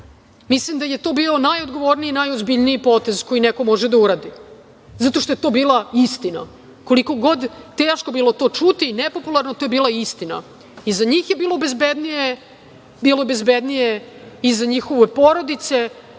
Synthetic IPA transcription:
mislimd̪ajet̪o̞ːbiːo̞najod̪ɡo̞ʋo̞ɾniinajozbiʎniipo̞t̪e̞zko̞jineko̞mo̞ʒed̪auɾaːd̪i | zat̪o̞ʃt̪oje̞t̪o̞biːlˠaist̪ina̰ | ko̞liko̞ɡo̞d̪t̪eːʃko̞biːlo̞t̪o̞ːt͡ʃut̪inepo̞pulˠaɾno̞t̪ojebiːlˠaist̪ina̰ | izaɲiːxjebiːlˠo̞bezbed̪nije | biːlˠo̞be̞zbed̪nijeizaɲixo̞ʋepo̞ɾo̞d̪it̪se̞

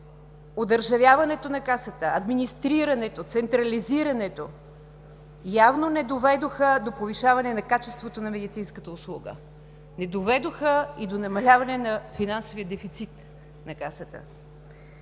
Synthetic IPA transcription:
od̪əɾʒɐvʲjavɐnɛt̪onɐkasət̪əɐd̪minist̪ɾiɾɐnɛt̪ot̪sɛnt̪ɾɐliziɾɐnɛt̪o | javnonɛd̪ovɛd̪oxəd̪opoviʃavɐnɛnɐkat͡ʃɛst̪vot̪onɐmɛd̪it̪sinskət̪əʊslˠuɡə̰ | nɛd̪ovɛd̪oxəid̪onɐmɐlʲavɐnɛnɐfinansovijəd̪ɛfit̪sit̪ | nɐkasət̪ə̰

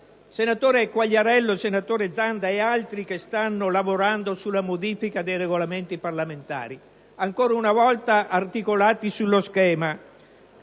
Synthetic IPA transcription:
senat̪oːɾekwaʎːaɾɛlːosenat̪oːɾed̪zand̪aealt̪ɾik̟est̪anːolavoɾand̪osulːamod̪iːfikad̪ejreɡolament̪iparlament̪a̰ːɾi | aŋkoːɾaunavɔlt̪aʔːrt̪ikolaːt̪isulːoskɛːma

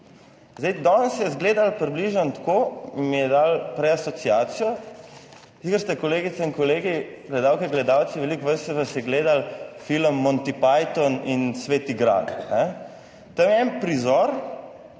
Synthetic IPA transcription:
zd̪ejd̪ɔnsjɛzɡleːd̪alpɾibliʒɔnt̪koːmijɛd̪aːlpɾɛasɔt̪siaːt̪sijɔ | sikəɾst̪ɛkoleːɡit̪sɛiŋkɔleːɡiɡlɛd̪awkɛɡlɛd̪awt̪siʋɛlikʋəst̪ɛzɐsɛɡleːd̪alfiləmːɔnt̪ipajt̪ɔninsʋeːt̪iɡɾa̰t̪nɛ | t̪əmɛɛnpɾizɔɾ

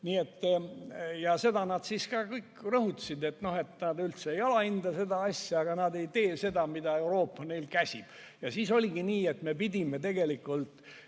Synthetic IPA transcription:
niːe̞t̪ː | jɑse̞d̪ɑnɑd̪̥siskɑːkɤjkːrɤhut̪ːɑ̥sid̪e̞t̪ːno̞he̞t̪nɑːd̪ylt̪seejo̞leind̪̥ɑse̞d̪ɑɑsʲjɑɑɡ̥ɑnɑd̪e̞jt̪e̞ːse̞d̪ɑmid̪ɑe̞wɾo̞ːpːɑne̞jlkæsʲib̥ | jɑsiːso̞lʲiɡiniːe̞t̪me̞pid̪ʲime̞t̪e̞ɡe̞likːˑult̪

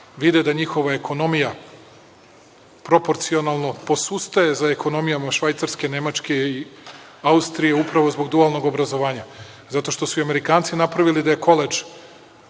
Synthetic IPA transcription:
ʋid̪ed̪aɲixo̞ʋae̞kʰo̞no̞mija | pɾo̞po̞ɾt̪sio̞nalˠno̞po̞sust̪aje̞zaeko̞no̞mijamaʃʋajt̪saɾske̞ne̞mat͡ʃke̞i | aust̪ɾije̞upɾaʋo̞zbo̞ɡd̪ualˠno̞ɡobɾazo̞ʋaːɲa | zat̪o̞ʃt̪o̞suiame̞ɾikaːnt̪sinapɾaʋilid̪aje̞ko̞led͡ʒ

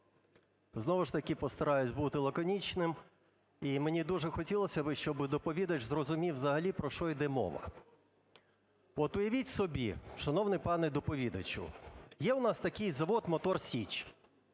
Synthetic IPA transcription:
znɔʋʊʃt̪ɐkɪpɔst̪ɐɾɑjʊsʲbut̪ɪlˠɐkɔnʲit͡ʃnɪm | imenʲid̪uʐɛxɔtʲilˠɔsʲɐbɪʃt͡ʃɔbɪd̪ɔpɔʋʲid̪ɐt͡ʃzrɔzʊmʲiwzɐɦɐlʲipɾɔʃɔid̪ɛmɔ̰ʋɐ̰ | ɔt̪ʊjɐʋʲitʲsɔbʲiʃɐnɔwnɪpɑnɛd̪ɔpɔʋʲid̪ɐt͡ʃʊ̰jɛʊnɑst̪ɐkɪjzɐʋɔt̪mɔt̪ɔrsʲit͡ʃ

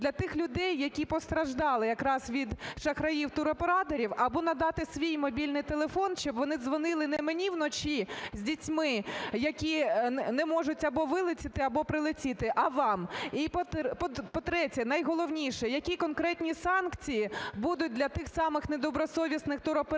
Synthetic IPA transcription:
dlʲɐt̪ɪxlʲʊd̪ɛjːɐkʲipɔst̪ɾɐʒd̪ɑlˠɪjɐkɾɑsʋʲid̪ʃɐxɾɐjiwt̪ʊɾɔpeɾɑt̪ɔɾʲiwɐbɔnɐd̪ɑt̪ɪsʋʲijmɔbʲilʲnɪjt̪elˠefɔnʃt͡ʃɔbʋɔnɪzʋɔnɪlˠɪnemenʲiwnɔt͡ʃizʲdʲitʲmɪjɐkʲinɛmɔʒʊtʲɐbɔʋɪlˠɪt͡sʲɪt̪ɪɐbɔpɾɪlˠɪt͡sʲit̪ɪʔɐʋɑmipɔpɔpɔt̪ɾɛtʲɐnɐjɦɔlˠɔwnʲiʃɛjɐkʲikɔnkɾɛtʲnʲisɑnkt͡sʲijibud̪ʊt̚ʲdlʲɐt̪ɪxsɑmɪxned̪ɔbɾɔsɔʋʲisnɪxt̪ʊɾɔpe

